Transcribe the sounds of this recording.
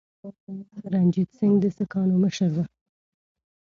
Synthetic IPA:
aaməɾand͡ʒid̪sɪŋɡd̪əsəkɑnoməʃəɾd̪a

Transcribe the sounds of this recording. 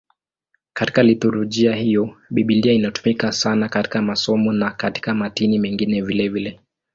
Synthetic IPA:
kati̥kalitɔɾɔʄiahijɔɓiɓiliainatu̥mikasanakati̥kamasɔmɔnakati̥kamatinimɛŋɡinɛvilɛvilɛ

